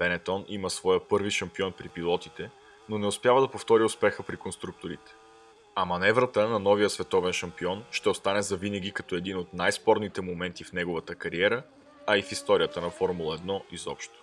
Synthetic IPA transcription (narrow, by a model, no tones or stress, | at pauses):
pɛnɛt̪ɔniməsvɔjəpɤɾviʃɐmpiɔnpɾipilˠɔt̪it̪ɛ | nonɛʊspʲjavəd̪ɐpoft̪ɔɾiʊspɛxəpɾikonst̪ɾuk̚t̪oɾit̪ɛ̥ | ɐmɐnɛvɾət̪ənɐnɔvijəsvɛt̪ɔvɛnʃɐmpiɔnʃt̪ɛost̪anɛzɐvinəɡ̟ʲikɐt̪ɔɛd̪inot̪najspɔɾnit̪ɛmomɛnt̪ifnɛɡovət̪əkɐɾiɛɾə | ɐifist̪ɔɾijət̪ənɐfɔɾmulˠəɛd̪nɔizɔ̰pʃt̪o̥